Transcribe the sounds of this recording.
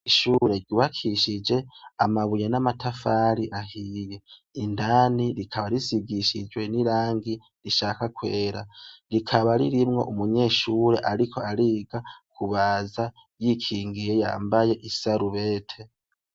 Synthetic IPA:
iʃuɾe̞ɾɟuːβakʰiʃid͡ʒe̞a̰maβujanamatafaɾiʔaɦije̞indaːniɾikʰaβaɾisiɡiʃḭd͡ʒwe̞niɾaːŋɡi | ɾiʃaːkakweːɾa̰ɾikʰaβaɾḭɾimŋo̞̰ʔumuɲe̞ːʃuːɾe̞ʔaɾikʰo̞aɾiɡakʰuβaza | jikʰiːŋɡije̞ja̰ːmbaje̞ʔisaɾuβe̞ːtʰe̞

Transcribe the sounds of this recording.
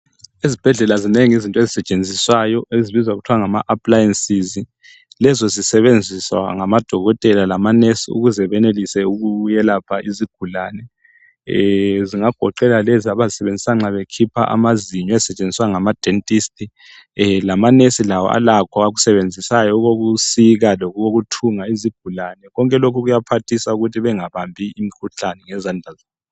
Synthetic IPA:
izib̥ʱɛɮɛlazineŋizintʼɔezisɛt͡ʃʼend͡zʱiswajɔeziβizwaɣutʰuwaŋamaʔapʰʼlajensizi | lɛzɔzisɛβend͡zʱiswa̰ŋamad̥ʱɔɣɔtʼɛlalamanesiṵɣuzɛβɛnelisɛuɣujɛlapʰaʔiziɡ̥ʱulaːnɛ | ziŋaɡ̥ʱɔǃɛlaleziaβazisɛβend͡zʱisaŋ͡ǁaβekʰipʰa̰ʔa̰maziɲɔɛzisɛt͡ʃʼend͡zʱiswaŋamad̥ʱentʼiːstʼi | lamanesilawɔ̰ʔa̰lakʰɔaɣusɛβend͡zʱisajɔɣoɣusiɣalɔɣuɣoɣutʰuŋaiziɡ̥ʱulanɛɣɔŋkʼɛlokʰuɣujapʰatʰisauɣutʰiβɛŋaβambʱiimikʰuɬanɛŋɛzandʱazeːn

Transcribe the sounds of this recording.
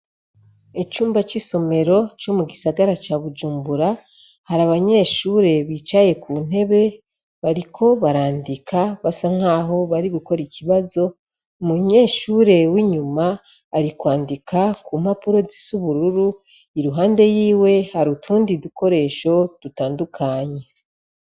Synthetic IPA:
it͡ʃuːmbat͡ʃiso̞me̞ɾo̞t͡ʃomuɡisaɡaɾat͡ʃaβud͡ʒuːmbuɾa | haɾaβaɲe̞ːʃuːɾe̞βiːt͡ʃaje̞kun̥e̞βe̞ | βaɾikʰo̞βaɾaːndikʰaβasaŋ̥aːɦo̞βaɾiɡuko̞ɾicʰiβazo̞ | muɲe̞ːʃuːɾe̞wiɲumaː | ɾikwaːndikakum̥apuɾo̞zisuβuɾuɾu | iɾuɦaːnde̞jiːwe̞haɾutʰuːndiduko̞ɾe̞ʃo̞d̥utaːndukʰaːɲe̞

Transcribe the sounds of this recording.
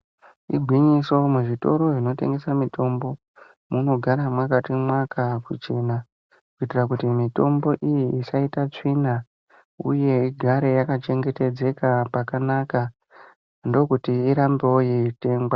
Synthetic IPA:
iɡʱwiɲiso̞muʐito̞ɾo̞ʐino̞te̞̰ŋɡe̞samitʰo̞mbo̞ | muno̞ɡʱaɾamwakatimwakʰakut͡ʃe̞na | kuitirakutimito̞mbo̞ʔijiisaitat͡ʂina | ṵje̞iɡʱaɾe̞jakat͡ʃe̞ŋɡe̞te̞d͡ze̞kapakanaka | ndo̞kutiːɾambewojeite̞ːŋɡwa

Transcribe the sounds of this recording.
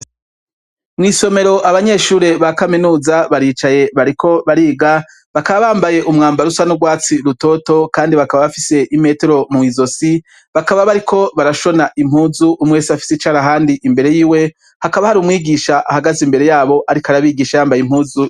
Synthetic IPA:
mŋiːso̞me̞ɾo̞ʔaβaɲe̞ʃuːɾe̞βakaminuːzaβaɾiːt͡ʃaje̞βaɾikʰo̞βaɾiːɡa | βakaβaβaːmbaje̞ʔumŋaːmbaɾusanuɡwaːt͡siɾuto̞to̞kaːndiβakaβaβafise̞ʔime̞te̞ɾo̞muizo̞si | βakaβaβaɾikʰo̞βaɾaʃo̞naʔim̥huːzuʔumŋe̞ːsafi̥set͡ʃaːɾaɦaːndiʔimbe̞ɾe̞jiːwe̞ | hakaβahaɾuːmŋiːɡiːʃaʔahaɡazimbe̞ɾe̞jaːβo̞ʔaɾikaɾaβiːɡiːʃajaːmbajim̥huːzu

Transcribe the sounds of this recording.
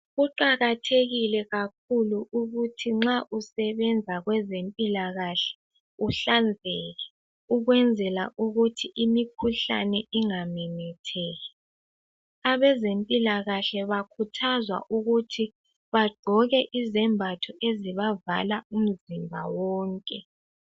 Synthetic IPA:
ɣuǃaɣatʰeɣilɛɣak̚ʰuluʔuɣutʰiŋ͡ǁaʔusɛβɛnd͡zʱaɣwɛzempʼilaɣaɬɛ̥ | uɬand͡zʱɛɣɛ | uɣwɛnd͡zʱɛla̰ʔuɣutʰiʔimikʰuɬa̰nɛʔiŋamɛnɛtʰɛːɣɛ | aβɛzempʼilaɣaɬɛβakʰutʰazwa̰ʔuɣutʰi | βaɡ͡ǃʱɔɣɛʔizɛmbʱatʰɔeziβava̰laum̩zimbʱa̰wɔːŋkʼɛ

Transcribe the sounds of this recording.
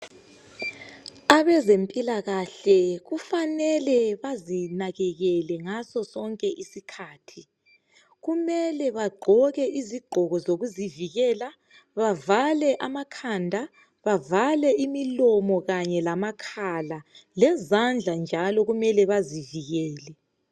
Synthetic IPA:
aβɛzempʼilaɣaɬɛɣufanɛlɛβazinaɣɛɣɛlɛŋasɔsɔŋkʼɛʔisikʰaːtʰi | ɣumɛlɛβaɡ͡ǃʱɔɣɛʔiziɡ͡ǃʱɔɣɔzoɣuziviɣɛːla | βavalɛʔamakʰandʱa | βavalɛʔimilɔmɔɣaɲɛlamakʰalalɛzand͡ɮʱand͡ʒʱalɔɣumɛlɛβaziviɣɛːlɛ

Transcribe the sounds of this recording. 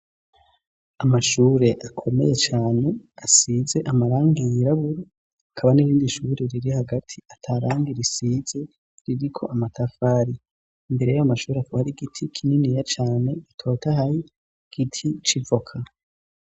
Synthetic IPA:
amaʃuːɾe̞ʔakʰo̞me̞̰je̞t͡ʃaːne̞asize̞ʔamaɾaːŋɡijiɾaβuɾo | akʰaβaniɾiːndiʃuɾe̞ɾiɾihaɡatʰiatʰaɾaːŋɡiɾisiz̥e̞ | ɾiɾikʰo̞̰ʔamatʰafaːɾiː | mbe̞ɾe̞joamaʃuːɾeakoβaɾiɡitʰikʰininijat͡ʃaːne̞ɡitʰo̞ːtahaji | ɡ̥itʰit͡ʃivo̞kʰa

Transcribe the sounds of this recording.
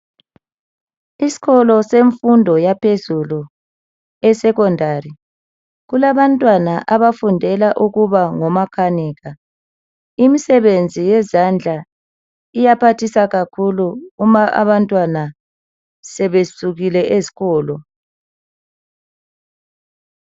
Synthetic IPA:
isi̥ɣɔlɔseɱfundʱɔjapʰezulu | ɛsɛɣɔndʱari | ɣulaβantʼwanaʔaβafundʱɛlaʔuɣuβaŋɔmakʰaniːɣa | imisɛβend͡zʱijɛzand͡ɮʱa | ijapʰatʰisaɣakʰuluumaʔa̰βantʼwana | sɛβesuɣilɛʔezi̥ɣɔːlɔ

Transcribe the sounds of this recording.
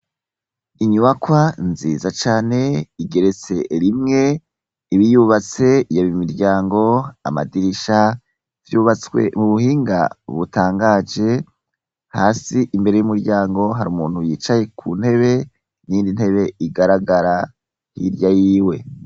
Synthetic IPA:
iɲuβakwanzḭːzat͡ʃaːne̞iɡe̞ɾet͡se̞ɾimŋe̞ | iβijuβat͡se̞ijoβimiɾɟaːŋɡo̞a̰ma̰diɾiʃa | vjuβat͡swḛmuβuɦiːŋɡa̰βutaːŋɡaːd͡ʒe̞ | haːsiʔimbe̞ɾe̞jumuɾɟaːŋɡo̞ɦaɾuːmṵːn̥hujiːt͡ʃaje̞kʰun̥he̞βe̞ | niiːndin̥he̞βe̞iɡaɾaɡaɾa | hḭɾjajiːwe̞

